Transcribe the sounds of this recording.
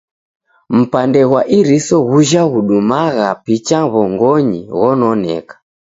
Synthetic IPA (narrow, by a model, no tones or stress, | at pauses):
m̩pandɛɣwaʔiɾisɔɣuʒaɣuɗumaɣapit͡ʃaβɔŋɡɔɲḭɣɔnɔnɛ̰kḁ